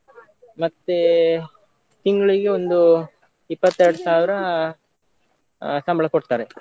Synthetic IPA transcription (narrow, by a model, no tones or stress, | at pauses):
mɐt̪ːe | t̪iŋɡɐɭiɡeo̞nd̪u | ipːɐt̪ːeɾɐɽusaːʋiɾɐ | sɐmbɐɭɐkoɽt̪aːɾe